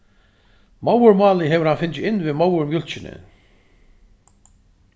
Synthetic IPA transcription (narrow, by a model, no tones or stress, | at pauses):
maːwʏɾmaːlɪɦɛvʏɾ̥hanfɪnt͡ɕɪɪnːvɪðmaːwʏɾmjʏl̥t͡ɕɪnɪ̰